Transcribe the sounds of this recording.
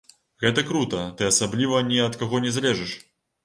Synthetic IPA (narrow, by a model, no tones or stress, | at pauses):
ɣɛt̪ɐkɾut̪ɐt̪ɨɐsablʲivɐnʲɛɐt̪kaɣɔnʲɛzlʲɛʐɛʂ